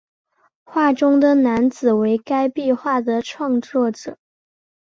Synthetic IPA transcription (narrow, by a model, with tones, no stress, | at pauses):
xwa˥˩ʈ͡ʂʊ˥ŋd̪ə˨na˧˥nt͡sɹ̩˨˩we˧˥ɪka˥ɪpi˥˧xwa˥˩d̪ə˩ʈ͡ʂʰwɑ˥˧ŋt͡swɔ˥˩ʈ͡ʂɤ˨˩˦